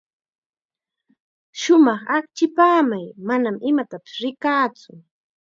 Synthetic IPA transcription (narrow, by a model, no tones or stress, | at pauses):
ʃʊmɑχakt͡ʃɪpaːmajmanamɪmat̪apɪ̥sɾɪkaːt͡sʊ